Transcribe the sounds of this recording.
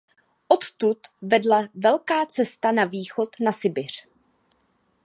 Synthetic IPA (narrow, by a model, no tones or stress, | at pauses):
ʔo̞t̪t̪ut̪vɛdlavɛlkaːt͡sɛst̪anaviːxo̞t̪nasɪbɪr̝̥